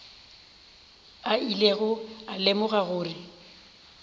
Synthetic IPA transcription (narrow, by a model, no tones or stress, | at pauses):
aileɣʊalemʊɣaɣʊːrɪ